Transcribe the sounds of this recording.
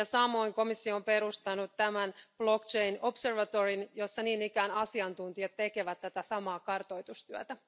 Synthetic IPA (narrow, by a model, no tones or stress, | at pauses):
ɑsɑmo̞iŋko̞misːioːmpe̞ɾust̪ɑnːut̪ːæmænb̥lokt͡ʃe̞jno̞pse̞rʋɑt̪orinjo̞sːɑniːnikæːnɑsiɑnt̪unt̪iɑt̪ːe̞ke̞ʋæt̪ːæt̪æsɑmɑːkɑrt̪o̞jt̪ust̪yæt̪æ